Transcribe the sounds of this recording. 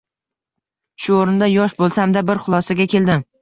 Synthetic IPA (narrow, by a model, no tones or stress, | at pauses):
ʃʊoɾɪnd̪ajɒʃbolˠsamd̪abɪɾχʊlˠɒsaɡʲakʲe̞lˠd̪ɪm